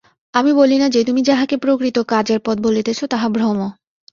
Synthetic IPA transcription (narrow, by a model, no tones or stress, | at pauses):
amibolinad͡ʑet̪umid͡ʑaɦakepɾokɾit̪okad͡ʑeɾpɔt̪̚bolet̪et͡ɕʰot̪aɦabɾomo